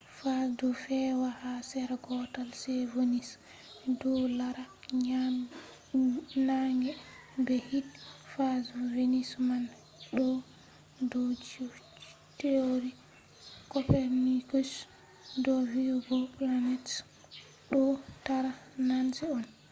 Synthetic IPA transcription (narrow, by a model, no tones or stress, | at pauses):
fadɔfɛwahasɛɾɡɔtalsɛvonis | dɔlaɾa | ɲa | naŋɡɛbɛhitfazuvenisman | ɗɔ | dɔd͡ʒ | teoɾi | kɔpɛɾnikus | dɔviwɡɔplanɛt | ɗɔtaɾanansɛɔn